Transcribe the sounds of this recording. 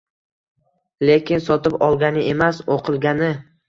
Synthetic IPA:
le̞kʲɪnsɒt̪ɪpɒlˠɡʲanɪemasoqʰɨlˠɡʲanɪ

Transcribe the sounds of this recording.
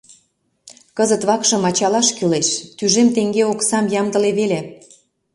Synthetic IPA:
kəzət̪βɑkʃə̆mɑt͡ɕɑlɑʃkyleʃt̪yʒemt̪eŋɡeoksɑmjɑmd̪ə̆leβele

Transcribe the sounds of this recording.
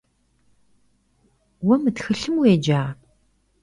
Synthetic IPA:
wɐmɨtxɨɬɨmweːd͡ʒaː

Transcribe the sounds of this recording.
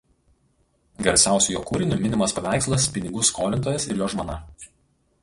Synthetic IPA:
ɡʲɐɾʲsʲæˑʊsʲujoːkuːɾʲɪnʲʊmʲɪnʲɪmɐspɐʋʲæˑɪkslˠɐspʲɪnʲɪɡʊskʰoːlʲɪnt̪oːjɛsɪ̰ɾjoːʒmoːnɐ

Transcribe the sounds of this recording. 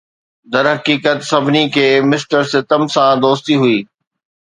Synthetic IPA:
d̪ɐɾɦɐkiːkət̪sɐbʱɪnikʰeːmɪsʈəɾsɪt̪əmsãd̪oːst̪iɦuiː

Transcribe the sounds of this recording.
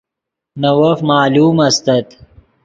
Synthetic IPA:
nɐwɐfmaːluːmɐst̪ɐt̪

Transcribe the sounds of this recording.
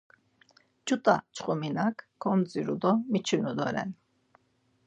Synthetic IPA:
t͡ʃʼut̪ʼa̰t͡ʃʰχuminakːʰɔmt͡sʼiɾud̪ɔmit͡ʃʰinud̪ɔɾɛ̰n

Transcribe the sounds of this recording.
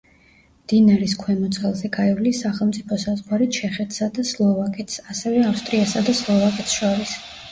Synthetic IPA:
md̪̥inaɾiskʰwɛmɔt̪sʼɛlˠzɛɡaɛvlisaχɛlˠmt̪sʼipʰɔsazʁwaɾit͡ʃʰɛχɛt̪ʰsad̪aslˠɔvakʼɛt̪ʰsasɛvɛafst̪ʼɾiasad̪aslˠɔvakʼɛt̪ʰsʃɔɾis

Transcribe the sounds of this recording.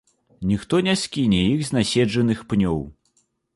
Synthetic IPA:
nʲixt̪ɔnʲasʲkʲinʲɛjiɣzʲnʲasʲɛd͡ʐɐnɨxpnʲɔw

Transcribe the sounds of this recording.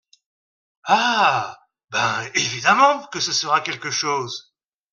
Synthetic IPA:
a | bɛ̃evid̪amɑ̃kəsəsəʁakʲɛlkəʃoːz

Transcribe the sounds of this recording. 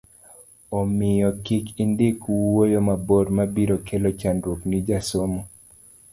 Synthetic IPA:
ɔmɪjɔkɪkindɪkwojomaboɾmabiɾokʰelot͡ʃandɾuknid͡ʒasomo

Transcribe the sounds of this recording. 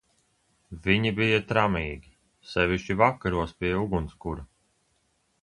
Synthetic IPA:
viɲibijat̪ɾamiːɡʲi | sɛviʃt͡ʃivakːaɾuɔspʲiɛjuɡunskuɾa

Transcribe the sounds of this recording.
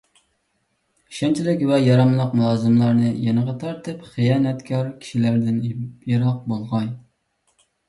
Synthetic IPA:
iʃɛnt͡ʃʰilɪkʲvɛjɑɾɑmlˠəqmulˠɑːzɨmlˠɑɾnɨjɛnəʁɑt̪ʰɑɾt̪ʰɨpχijɑːnɛt̪kʲʰɑɾkʲʰi̥ʃilæɾd̪ɪnjeɾɑq̚bolˠʁɑn

